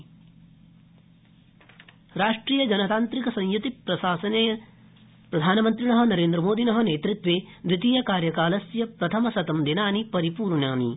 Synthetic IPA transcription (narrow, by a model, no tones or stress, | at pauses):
ɾaːʂʈɾiːjɐd͡ʒɐnɐt̪aːnt̪ɾikɐsɐ̃ŋ̃jut̪iɾɐsaːsɐnej | pɾɐd̪ʱaːnɐmɐnt̪ɾinɐɦɐ̆nɐɾeːnd̪ɾɐmoːd̪inɐɦɐ̆neːt̪ɾit̪ʋeːd̪ɾit̪iːjɐkaːɾjɐkaːlɐsjɐpɾɐt̪ʰɐmɐsɐt̪ɐmd̪inaːnipɐɾipuːɾɳaːnḭ